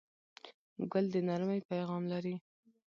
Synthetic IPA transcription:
ɡʊld̪ənaɾmajpajɣɑmlaɾi

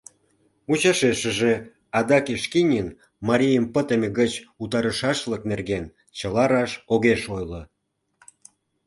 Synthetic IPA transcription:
ut͡ɕɑʃeʃəʒe | ɑd̪ɑkeʃkinʲin | mɑɾʲijəmpət̪emeɣət͡ɕut̪ɑɾəʃɑʃləknerɣen | t͡ɕəlɑɾɑʃoɣeʃojlo

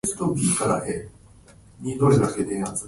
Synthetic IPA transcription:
sɨ̥t̪okʲikaɾa̰he | nʲid̪oɾed̪aked̪ẽat͡s

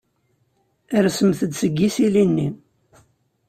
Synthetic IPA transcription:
əɾsəmθəd̪səɡːisilinːi

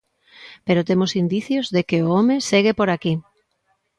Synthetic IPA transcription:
peɾot̪emʊsind̪iθjozðekeoomeseɣ̞epoɾaki

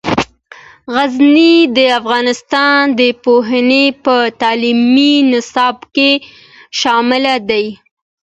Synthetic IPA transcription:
ɣaznid̪əafɣɑnɪst̪ɑnd̪əpoɦanepət̪ɑliminɪsɑbke | ʃɑmɪlad̪aj

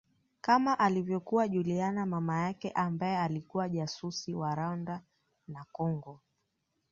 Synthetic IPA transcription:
kamaʔalivjɔkuwaʄulianamamajakɛʔambaɛalikuwaʄasusiwaɾanda | nakɔŋɡɔ

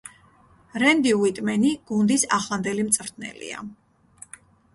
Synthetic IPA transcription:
ɾɛnd̪iwit̪ʼmɛniɡ̥und̪isaχlˠand̪ɛlimt̪sʼvɾt̪̚ʰnɛ̰lḭa̰

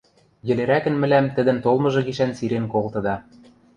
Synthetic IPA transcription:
jɘ̆leɾækɘ̆nmɘ̆læmt̪ɘ̆d̪ɘ̆nt̪olˠmɤ̆ʒɤ̆ɣiʃænsiɾenkolt̪ɤ̆d̪ɑ

